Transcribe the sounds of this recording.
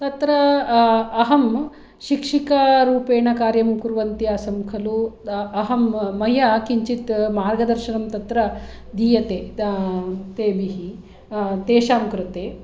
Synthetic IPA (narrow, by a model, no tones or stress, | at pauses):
t̪ɐt̪ɾɐ | ɐɦɐm | ʃikʂikɐɾuːpeːɳɐkaːɾjɐmkuɾʋɐnt̪iaːsɐmukʰɐluɐɦɐmːɐjakiɲt͡ʃit̪maːɾɡɐd̪ɐɾʃɐnɐmt̪ɐt̪ɾɐ | d̪iːjɐt̪eː | t̪eːʋiɦi | t̪eːʃaːmkɾɪt̪eː